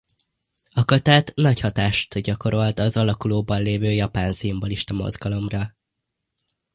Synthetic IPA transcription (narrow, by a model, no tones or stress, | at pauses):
ɒkɒt̪aːt̪nɒchɒt̪aːʃt̪ɟɒko̞ɾo̞lt̪ɒzɒlɒkuloːbɒnleːvøːjɒpaːnsiumboliʃt̪ɒmo̞̰zɡɒlo̞mrɒ